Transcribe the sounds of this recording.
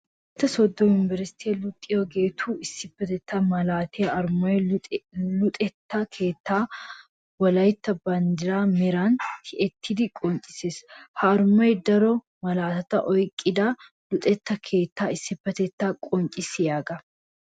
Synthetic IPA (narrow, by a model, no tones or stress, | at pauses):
ɪt̪ːɐsɔd̪ːɔjʊnɪvɛɾsɪ̥t̪ʰeːlʊt̪ʼːɪɔɡe̞ːt̪ʰuːɪsːɪbːɐt̪ɛt̪ːamɐlaːt̪ʰeɐɾmɔjɛ | lʊt̪ʼɛt̪ːakʰe̞ːt̪ːaː | wɐlɐjɪt̪ːɐbɐnd̪ɪɾaːmɪɾaːnt̪ʰɪʔɛt̪ʰːɪd̪ɪkʼɔnt͡ʃʼɪ̥seːshɐːɾmɔjɛd̪ɐɾɔ | mɐlaːt̪ɐt̪ɐʔɔjkʼːɪd̪aː | lʊt̪ʼɛt̪ːɐkʰe̞ːt̪ːaːɪsːɪbːɐt̪ɛt̪ːaːkʼɔnt͡ʃʼɪsɪjaːɡɐ